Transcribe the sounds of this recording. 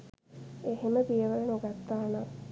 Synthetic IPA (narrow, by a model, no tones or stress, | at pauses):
eheməbijəʋələnoɡat̪ːaːna